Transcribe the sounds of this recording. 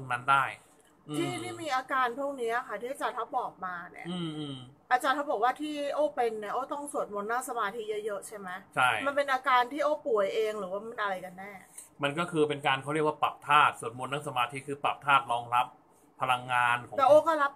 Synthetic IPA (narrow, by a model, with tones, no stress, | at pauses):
pʰŋna˦˥ndaː˥˩j | ʔɯːt̪ʰiː˩˥˩t̪ʰiː˥˩miː˧ʔaː˧kaː˧npʰu˥˩ŋni˦˥ʔa˨˩kʰa˦˥˩t̪ʰiː˥˩t͡ɕa˨˩t̪ʰa˦˥wbɔː˨˩k̚maː˧nḭ˦˩ɐʔɯː˧mʔɯ˧mʔaː˧˩t͡ɕaː˧nt̪ʰa˦˥wbɔː˨˩k̚waː˥˩t̪ʰiː˥˩ʔoː˥˩pe˧nːi˨˥˩ɐʔoː˦˥˩t̪ɔ˥˩ŋsu˨˩ət̪̚mo˧nːa˥˩ŋsa˧maː˧t̪ʰi˦˥jɤ˦˥jɤ˦˥t͡ɕʰa˥˩jma˦˥jt͡ɕʰa˥˩jma˧npe˧nʔaː˧kaː˧nt̪ʰiː˥˩ʔoː˦˥˩pu˨˩˦əjʔeː˧ŋɾɯː˩˦waː˥˩ma˧nʔa˧ɾa˧jka˧nːɛː˥˩ | ma˧nkɔː˥˩kʰɯː˧pe˧nkaː˧nkʰa˥˩ɾi˥˩k̚waː˥˩pa̰˨˩p̚t̪ʰaː˥˩t̪̚su˨˩˦t̪̚mo˧nːaː˥˩sa˧maː˧t̪ʰi˦˥kʰɯː˧pa̰˨˩p̚t̪ʰaː˥˩t̪̚ɾɔː˧˥ŋɾa˦˥p̚ʰː | a˧la˧ŋːaː˧n˦tɛː˨˩ʔoː˥˩kɔː˥˩ɾa˦˥p̚